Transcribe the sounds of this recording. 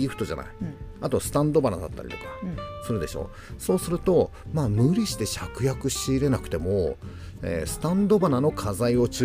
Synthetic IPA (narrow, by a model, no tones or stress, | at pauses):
iːɸɯ̟̥t̪o̞ʑa̰na̰iat̪o̞sɨ̥t̪ãnd̪o̞banad̪a̰t̪ːa̰ɾʲḭt̪o̞kḁsɨɾɯ̟d̪eɕo̞̰ː | so̞ːsɨɾɯ̟t̪o̞ | maːmɯ̟ɾʲiɕi̥t̪e̞ɕakɯ̟jakɯ̟ɕiːɾe̞nakɯ̟̥t̪e̞mo̞ | ḛsɨ̥t̪ãnd̪o̞banano̞kʰazaio̞t͡ɕɨ